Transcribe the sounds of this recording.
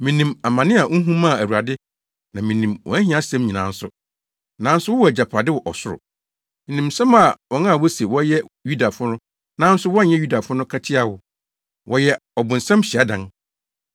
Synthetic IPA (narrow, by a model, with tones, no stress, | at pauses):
mĩ˨nĩ˨ma˨mã˨nɪ̃˦a˨ʔ̩˦ɦũ˦mã˦˨æ˨wu˨a˨dɪ˦ | nã˨mĩ˨nĩ˨mwʔɔ̰˨æ˦ɦĩ˦a˦sɛ̃˦mɲĩ˨nãː˨˦n̩˦sʊ˨ | nã˨˦n̩˦sʊ˦wʊ˦ɔ˦æ˨d͡ʑa˨pʰa˨dɪ˦wɔ˨ʔɔ˨sʊ˦ɾʊ̰˨ | mĩ˨nĩ˨msɛ̃˦ma˨wɔ˨nã˦˨wɔ˦se˨wɔ˦jɛ˦ju˦da˨fʊ˦nʊ̃˦ | nã˨˦n̩˦sʊ˦wɔ˦n˨ɲɛ˦ju˦da˨fʊ˦nʊ̃˦kʰa˦tʰɪ˦a˨wʊ˨ | wʔɔ˨jɛ˦ɔ˨bʊ̃˨n̩˨sɛ̃˦mɕɪ˨a˦dã˦n